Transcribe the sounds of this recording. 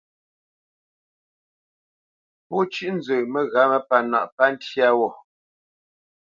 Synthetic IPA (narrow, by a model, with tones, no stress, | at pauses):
pɔ˦t͡ʃʉ˦˨ʔn̩˦d͡zəː˨mə˨ɣa˨˦mə˦pa˨na̰˨ʔpa˦n̩˦tja˦wɔ˨